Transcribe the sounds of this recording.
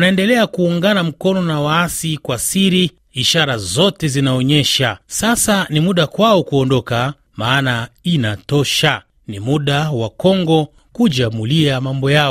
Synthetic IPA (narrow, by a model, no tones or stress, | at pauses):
naɛndɛlɛakuːŋɡanam̩kɔnɔnawaasikwasiɾi | iʃaɾazɔtɛzinaɔɲɛʃasasanimuɗakwaɔkuɔndɔka | maːnainatɔʃa | nimuɗawakɔŋɡɔ | kud͡ʒamuliamambɔja